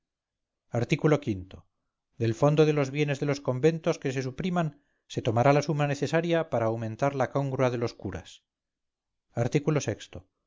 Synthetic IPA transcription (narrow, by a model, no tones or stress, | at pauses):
aɾt̪ikulo̞kint̪o̞ | ðe̞lfo̞nd̪o̞ðe̞lo̞zβje̞ne̞zðe̞lo̞sko̞mbent̪o̞ske̞s̬e̞supɾiman | se̞t̪o̞maɾalasumane̞θe̞saɾjapaɾaːwmẽ̞nt̪aɾlakoŋɡɾuað̞e̞lo̞skuɾa̰s | aɾt̪ikulo̞se̞kst̪o̞